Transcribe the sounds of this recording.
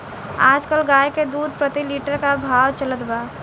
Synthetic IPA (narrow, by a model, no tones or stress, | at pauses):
aːd͡ʒkəlɡaːjked̪uːd̪ʱpɾət̪iliːʈəɾkabʱaːwt͡ʃələt̪baː